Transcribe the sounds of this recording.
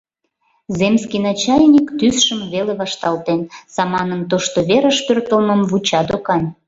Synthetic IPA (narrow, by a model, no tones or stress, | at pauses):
zemskinɑt͡ɕɑjnʲikt̪ysʃəmβeleβɑʃt̪ɑlt̪ensɑmɑnəmt̪oʃt̪oβeɾə̆ʃpørt̪əlməmvut͡ɕɑd̪okɑn